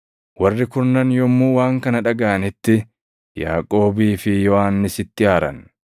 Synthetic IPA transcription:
wɐrːɪkʊɾnɐnjɔmːuːwaːŋkɐnɐᶑɐɡaːɐnɪt̪ːɪ | ja̰ːkʼo̞ːbiːfɪjɔʔanːɪsɪt̪ːɪaːɾɐ̰n

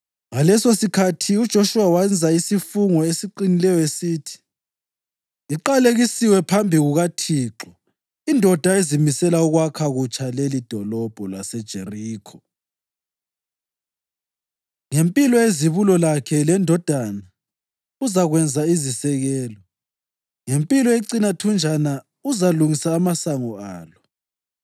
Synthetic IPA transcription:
ŋalɛsosikʰatʰiud̥ʒ̥ʱoʃuwawand͡zʱaisifuŋɔesiǃinilɛjɔesiːtʰi̥ | ǃaleɣisiwɛpʰambʱiɣuɣatʰiːǁɔ | indʱɔd̥ʱaezimisɛlauɣwakʰaɣut͡ʃʰʼalelid̥ʱɔlɔb̥ʱɔlasɛd̥ʒ̥ʱeriːkʰɔ | ŋempʼilɔeziβulɔlakʰɛlɛndʱɔd̥ʱana | uzaɣwɛnd͡zʱaizisɛɣɛːlɔ | ŋempʼilɔeǀinatʰund͡ʒʱana | uzaluŋisaːmasaŋɔa̰ːlɔ

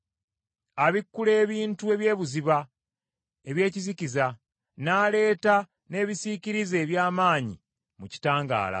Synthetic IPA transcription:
aβikːule̞ːβiːntue̞βje̞ːβuziβa | e̞βje̞ːciziciza | naːle̞ːta | ne̞ːβisiciɾize̞ːβjaːmaːɲḭ | muci̥taːŋɡa̰ːla̰

